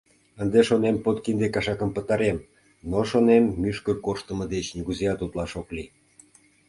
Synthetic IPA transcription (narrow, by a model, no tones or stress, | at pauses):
ənd̪eʃonempot̪kind̪ekɑʃɑkə̆mpə̆t̪ɑɾem | noʃonemːyʃkə̆korʃt̪əmɤ̆d̪et͡ɕniɣuzeɑt̪ut̪lɑʃokli